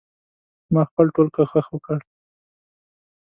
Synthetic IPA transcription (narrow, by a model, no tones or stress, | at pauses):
mɑxpəlʈolkaxəxwəkəɽ